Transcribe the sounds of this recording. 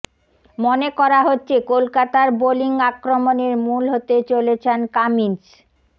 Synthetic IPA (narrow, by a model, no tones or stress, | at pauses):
monekɔɾaɦotːɕʰekolkat̪aɾboliŋakɾomoneɾmulɦot̪et͡ɕolet͡ɕʰenkamint͡ɕ